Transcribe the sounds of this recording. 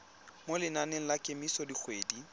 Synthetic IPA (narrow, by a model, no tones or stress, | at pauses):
molɪnaneŋ̩lakʼemisɔdik͡xʰweːdi